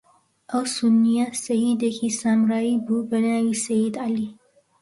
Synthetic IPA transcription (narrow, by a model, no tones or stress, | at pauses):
ʔɐwsʊnːijasɐjid̪ɐkʰisaːmɾaːibubɐnaːwisɐjid̪ʕali